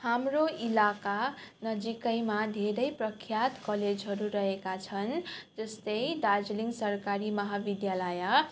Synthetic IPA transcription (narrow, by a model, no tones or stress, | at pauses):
hamroilakanʌd͡zikʌjmad̪ʱeɾʌjprʌkʰjat̪kʌled͡zɦʌɾuɾʌɦekat͡sʰʌnd͡zʌst̪ʌjd̪ad͡zliŋɡsʌrkaɾimʌɦabid̪jalaja